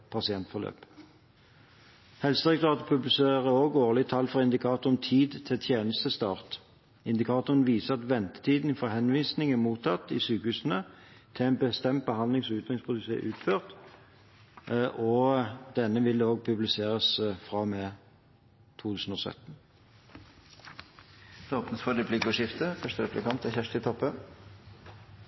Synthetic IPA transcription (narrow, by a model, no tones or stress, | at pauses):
pʰɑsɪɛnt̪fɔʁlø̰ːp | hɛlsəd̪ʁɛk̚t̪ʁɑːt̪əpʰʉblɪseːʁəoːɡoːʁlɪt̪ʰɑlːfʁɑɪnd̪ɪkʰɑːt̪ʊʁənt̪ʰiːd̪t̪ʰɪlt̪ʰjeːnəst̪əst̪ɑːʁt̪ | ɪnd̪ɪkʰɑːt̪ʊʁənʋiːsəɑt̪ʋɛnt̪ə̥t̪ʰiːd̪nfɔhɛnʋiːsnɪŋæmuːt̪ʰɑt̪ːɪsyːkəhʉːsənə | t̪ʰɪæɪnbəst̪ɛmt̪̚bəhɑnd̪lɪŋsɔʉːt̪ʁɪŋspʰʊlɪsḛːʔʉːt̪føːʁt̪ | ʔɔd̪̥ɛnːəʋɪloːɡ̚pʰʉblɪseːʁəsfʁɑmeː | t̪ʰuːt̪ʰʉːsn̩ɔːsœ̰t̪n̩ | oːpnəsfɔɾɛpʰlɪkʊʂɪft̪əfœʂʈəɾɛplɪkʰɑnt̪æçæʂt̪ɪt̪ʰɔpːən